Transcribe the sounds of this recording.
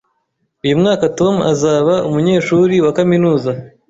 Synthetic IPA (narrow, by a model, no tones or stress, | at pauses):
ujumŋaːkato̞ma̰zaːβaʔumuɲe̞ːʃuːɾiwakaminuːza